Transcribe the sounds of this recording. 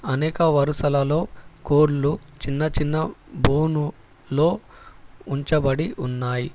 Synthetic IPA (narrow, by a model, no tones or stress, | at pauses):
ɐnɛːkɐʋɐɾusɐlɐlo̞ːkoːɾlut͡ʃinːɐt͡ʃinːɐbuːnu | lo̞ː | uɲt͡ʃɐbɐɽiʔunːaːji